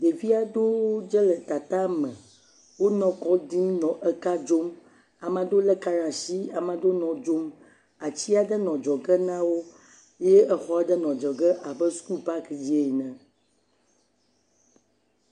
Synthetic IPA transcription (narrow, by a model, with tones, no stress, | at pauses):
ɖ̪e˨vi˦a˨d̪o˦wo˦d͡ʒɛ˦lɛ˨t̪a˨t̪a˦mɛ̃˨ | wo˦nɔ̃˦kɔ˦d̪i˦m˦nɔ̃˨ʔɛ˦ka˦d͡ʒo˦m | a˨mã˨d̪o˦lɛ˦ka˦ɾã˨ʃi˦a˨mã˨d̪o˦nɔ̃˨d͡ʒo˦m | a˨t͡ɕi˦a˦ɖ̪ɛ˦nɔ̃˨d͡ʒɔ˨ɡə˦nã˦wo˦ | je˦ɛ˦xɔ˦ɛ˦ɖɛ˦nɔ̃˨d͡ʒɔ˨ɡɛ˦ʔa˨bə˦su̥˦ku˦pa˦kd͡ʑi˦e˨nɛ̃˨